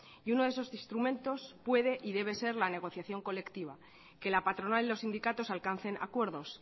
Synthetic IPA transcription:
iuno̞ðeso̞sist̪ɾumẽnt̪o̞spwe̞ð̞e̞ʔiðe̞β̞e̞se̞ɾlane̞ɣ̞o̞θjaθjo̞ŋko̞le̞kt̪iβa | ke̞lapat̪ɾo̞nalilo̞sind̪ikat̪o̞salkan̟θe̞na̰kwe̞ɾðo̞s

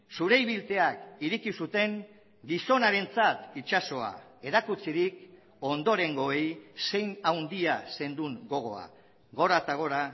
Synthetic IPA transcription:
suɾe̞jβ̞ilt̪e̞akiɾikisut̪e̞ŋ | ɡiso̞naɾe̞nt͡sat̪it͡ʃaso̞a̰e̞ɾakut͡siɾik̚ | o̞nd̪o̞ɾe̞ŋɡo̞ejse̞jnawnd̪iase̞nd̪uŋɡo̞ɣ̞o̞̰a̰ | ɣo̞ɾat̪aɣ̞o̞ɾa

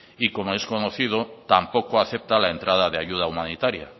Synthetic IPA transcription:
ikomoeskonoθið̞ot̪ampokoaθep̚t̪alaent̪ɾað̞aðeaʎuð̞aumanit̪aɾja̰

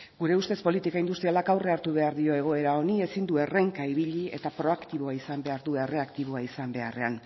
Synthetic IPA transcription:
ɡuɾe̞ust̪e̞spo̞lit̪ikaind̪ust̪ɾialakawre̞aɾt̪uβ̞e̞aɾðio̞e̞ɣ̞o̞e̞ɾao̞nie̞sind̪ue̞re̞ŋkaiβiʎie̞t̪apɾo̞akt̪iβo̞aisambe̞aɾðue̞re̞akt̪iβ̞o̞aisambe̞are̞a̰n

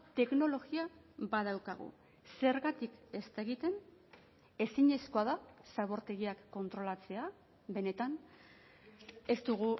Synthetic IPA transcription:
t̪e̞kno̞lo̞ɣia | baðawkaɣ̞ṵ | se̞ɾɣat̪ike̞st̪aɣit̪e̞n | e̞siɲe̞sko̞aðasaβo̞ɾt̪e̞ɣiakːo̞nt̪ɾo̞lat͡se̞a | be̞ne̞t̪an | e̞st̪uɣu

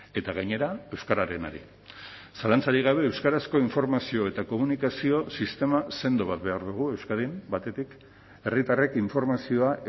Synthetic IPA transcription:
e̞t̪aɣ̞aɲe̞ɾaewskaɾaɾe̞na̰ɾḭ | salant͡saɾiɣ̞aβ̞e̞ːwskaɾasko̞iɱfo̞ɾmasio̞e̞t̪ako̞munikasio̞sist̪e̞mase̞nd̪o̞βat̪̚βe̞aɾðuɣ̞ue̞wskaðimbat̪e̞t̪ik | e̞rit̪arekiɱfo̞ɾmasio̞a

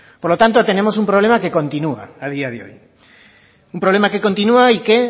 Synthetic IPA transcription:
poɾlo̞t̪ant̪ot̪e̞ne̞mo̞s̬umpɾoβle̞make̞ko̞nt̪inua̰að̞iaðeo̞̰j | umpɾoβle̞make̞ko̞nt̪inuaike

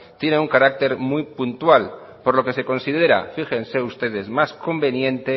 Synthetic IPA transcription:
t̪je̞neuŋkaɾak̚t̪e̞ɾmujpunt̪wal | po̞ɾlo̞ke̞se̞ko̞nsið̞e̞ɾa̰fixe̞nse̞ust̪e̞ð̞e̞zmasko̞mbe̞njẽ̞nt̪e̞

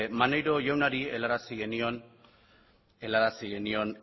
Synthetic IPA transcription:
manejɾo̞ʝawnaɾie̞laɾasiɣe̞nio̞n | e̞laɾasiɣe̞nio̞n

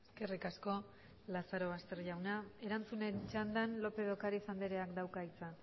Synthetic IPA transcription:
eske̞rikasko̞ | lasaɾo̞βast̪e̞ɾʎawnae̞ɾant͡sune̞nt͡ʃand̪anlo̞pe̞ðo̞kaɾisand̪iɾe̞akd̪awkait͡sa

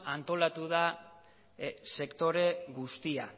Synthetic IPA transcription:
ant̪o̞lat̪uða | se̞kt̪o̞ɾe̞ɣust̪ia

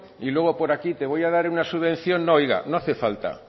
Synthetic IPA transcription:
ilwe̞ɣ̞opo̞ɾakit̪e̞β̞o̞jaðaɾunasuβẽ̞nθjonːojɣa̰noaθefalt̪a̰

